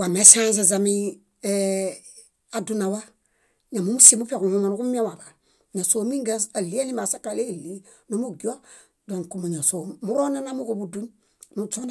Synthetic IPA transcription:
wa˨me˦sã˦z̬a˨za˨mi˦ | e | a˨du˦na˨wa˦ | ɲa˨mu˨˦mu˦si˦˨mu˦pe˦˨ku˨hu˦ma˨nu˦ku˦mi˦a˦wa˨ba˨ | ɲa˨soː˨˦mi˦ŋɡe˦sa˨li˦a˦ni˦ma˨sa˦ka˨le˦˨li˦ | no˦mu˦ɡi˦o˦ | do˨ŋku˨mu˨ɲa˨so˨mu˦ɾo˦na˦na˦mu˦ko˦bu˨du˦n | nu˨t͡ʃo˦n

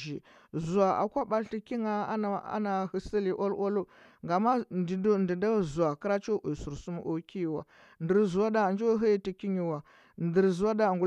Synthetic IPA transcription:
ʒi˨ | zu˨a˨a̰˨kʷa˦ba˦lti˦ki˦ŋa˦a˦˨a̰˦na˨hə˨sə˦li˨ʔo˦lʔo˦lo˦ | ŋɡa˨ma˦˨dndi˨da˦zu˨a˨kə˦ɾa˦t͡ʃo˦ʔu˨su˨ɾsu˦m˦ʔo˦ki˦˨wa̰˨ | ndə˨ɾzu˨a˦da˦˨nd͡ʒo˦ɦə˦i˦ti˨ki˦ɲi˨wa˨ | ndə˨ɾzu˨wa˦da˦˨ŋɡu˨

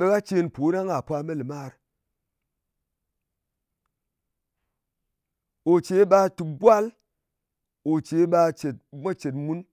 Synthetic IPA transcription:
ɓe˧ka˦t͡ʃe˧npo˨˦ɾa˦ŋa˨pʷa˧me˦lɨ˨ma˦˨ɾ | o˨t͡ʃe˨˦ɓa˧tu˨bʷa˦l | o˨t͡ʃe˨˦ɓa˧t͡ʃe˨t̚ma˦t͡ʃe˨tmu˦n

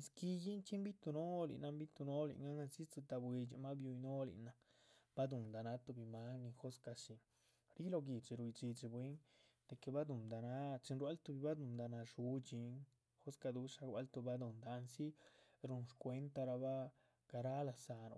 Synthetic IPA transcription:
ski˧ji˦nt͡ʃi˦mbi˦t̪u˧no˦lḭ˨na˧mbi˦t̪u˧no˦lḭ˧ŋa˦na˧si˦t͡sɨ˧t̪a˧bwe˧t͡ʃi˧ma˦bju˧jno˦lḭ˨na˧ | b̥a˦d̪u˨nd̪a˨na˦t̪u˧bi˧ma˦ni˧xo˦ska˧si˧n | ɾi˦lo˧ɡi˨t͡ʃi˧ɾu˧jt͡ʃi˧d͡ʒi˧bwe˦ŋ | d̪̥e˨˧ke˨ba˦d̪u˨nd̪a˨na˦t͡ʃi˧nɾwa˦lt̪u˧bi˧ba˦d̪u˧nd̪a˧na˧ʂu˧˦t͡ʃi˧ŋ | xo˦ska˧d̪u˦ʂa˧ɡwa˦lt̪u˧ba˦d̪u˨nd̪a˧nsi˦ɾu˧nʂkʷe˧˦nt̪a˧ɾa˧ba˦ | ɡ̥a˧ɾa˦la˧sa˨ɾo̰˨˧

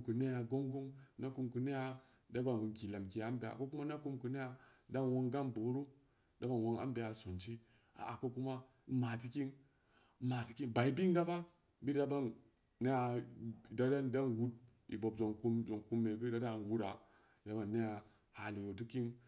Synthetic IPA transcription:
ku˨ne˦ja˨ɡo˦ŋɡo˦ŋna˦ku˧mku˨ne˦ja˦ | da˦ba˨n˨ŋkʲi˨la˨mki˨ja˨˦m˦be˦˨a̰˨ko˦ku˦ma˦na˦ku˧mkɨ˨ne˦ja˧da˦nwo˧ŋɡa˦mbo˨˦ɾu˦ | da˦ba˨nwo˦ŋa̰˦m˦be˧a˨so˨nt͡ʃi˦ | a̰˨a˨ko˦ku˦ma˦ | ma˨ti˧ki˦n̩˦ | ma˨ti˨ki˦nba˨i˦bi˦ŋ˦ɡa˦fa˦ | bi˦da˦ba˦nː | e˦ja˧˨da˦da˦n˨da˦nwu˦t̚ḭ˨bo˨b̚zo˨ŋku˦mzo˨ŋku˦mːe˨ɡɨ˦da˦da˦˨n˨wu˦da˨ | da˦ba˨nːe˦ja˨ | ha˨li˨wo˨tu˦ki˦ŋ

